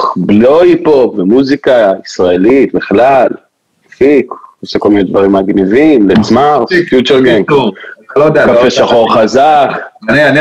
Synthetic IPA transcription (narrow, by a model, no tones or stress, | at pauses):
bloipopvemuzikaisʁaelit̪biχlal | fikoseko̞lmined̪vaʁimaɡnivimlet͡smaʁsfjut͡ʃeʁɡeŋ | lod̪kafeʃaχo̞ʁχazaknian